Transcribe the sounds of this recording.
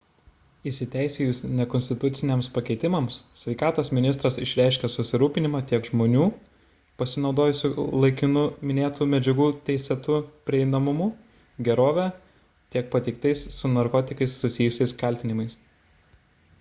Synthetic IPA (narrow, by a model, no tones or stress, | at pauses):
ɪsʲɪt̪ʲæˑɪsʲɛjʊsnʲɛkɔnʲst̪ʲɪt̪ʊt̪sʲɪnʲeɛmspɐkʲɛɪt̪ʲɪmɐmssʲʋʲɛɪkɑːt̪oːsmʲɪnʲɪst̪ɾɐsɪʃʲɾʲæˑɪʃʲkʲɛsʊsʲɪɾuːpʲɪnʲɪmɑːt̪ʲiɛkʒmoːnʲuː | pɐsʲɪnɒʊd̪oːjʊsʲʊlˠɐɪkʲɪnʊmʲɪnʲeːt̪uːmʲɛd͡ʒʲɛɡuːt̪ʲɛɪsʲɛt̪uːpʲɾʲɪɛɪnɐmʊmʊ | ɡʲɛɾoːʋʲæː | t̪ʲiɛk̚pɐt̪ʲɛɪkt̪ɐɪsːʊnɐɾkɔːt̪ʲɪkɐɪsːʊsʲɪjʊsʲɛɪskɐlʲt̪ʲɪnʲɪmɐɪs